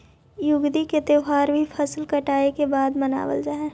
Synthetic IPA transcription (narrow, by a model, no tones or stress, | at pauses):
jʊɡd̪iket̪eɦaːɾbʱipʰɐslkɐʈaːekebaːd̪mɐna̰ːwə̰ld͡ʒaːeː